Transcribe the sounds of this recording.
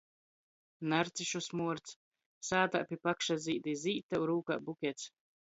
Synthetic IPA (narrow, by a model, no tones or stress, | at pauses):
naɾt̪siʃusmuɔɾt̪s | saːt̪a̰ʔpʲipakʃaziːd̪iziːt̪ːaɾuːka̰ːbukʲɛt̪s